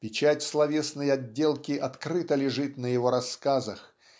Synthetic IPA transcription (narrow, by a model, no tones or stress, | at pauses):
pʲɪt͡ɕatʲslˠɐvʲe̞snəjɐdʲːe̞lˠkʲɪʔɐt̪kɾɨt̪əlʲɪʐɨt̪nəjɪvo̞ɾɐskazəx